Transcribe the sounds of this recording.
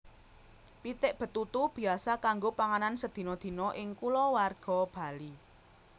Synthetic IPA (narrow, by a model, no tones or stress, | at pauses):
pit̪ɪʔb̥ə̤t̪ːut̪ub̥i̤asakaŋɡopaŋanansəd̪̥i̤nɔd̪̥i̤nɔʔɪŋkulɔwarɡ̥ɔ̤b̥a̤li